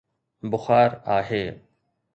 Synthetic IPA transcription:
bʊxaːɾaːɦeː

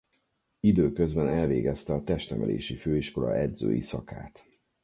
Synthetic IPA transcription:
id̪øːkøzbɛnɛlveːɡɛst̪ɛɒt̪ɛʃt̪ɛmɛlḛːʃiføːiʃko̞lɒɛd̪zø̰ːjisɒka̰ːt̪

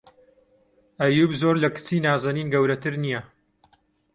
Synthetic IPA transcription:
ʔɐjuːbzoɾlɐkɨ̥t͡siːnaːzɐniːnɡɐwɾɐt̪ʰɨɾnijɐ

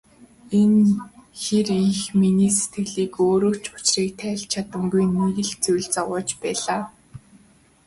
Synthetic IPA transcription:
enxerixminiːse̥t̪ɡɘ̆ɮiːkoːɾoːt͡ɕpʊ̥t͡ɕriːkt̪ʰæːɮt͡ɕʰat̪ə̆mɡujniɣɘ̆ɮt͡sujɮt͡saʁʊːt͡ɕpæːɮaː

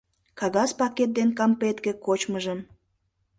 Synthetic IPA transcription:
kɑɣɑspɑket̪̚d̪enkɑmpet̪kĕkot͡ɕməʒəm

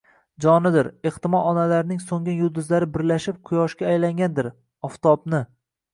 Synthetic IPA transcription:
d͡ʒɒnɪd̪ɪɾeht̪ɪmɒɒnalaɾɪnɪŋsoŋʲɪjʊd̪ʊzlaɾɪbɪɾlaʃɪp̚qʰʊjɒʃkʲaːjlaŋɡʲand̪ɪɾ | ɒft̪ʰɒbnɪ

